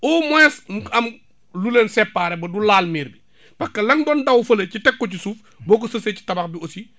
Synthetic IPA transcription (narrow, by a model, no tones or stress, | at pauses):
ɔmɔɛsɐm | lulensɛpːaːɾɛbɐdulaːlmiːɾbi | pɐkːɐlɐŋdɔːndɐwfɐlɐcitɛkːɔcisuːf | bɔːk̬osɐseci̥tɐbɐxbiosi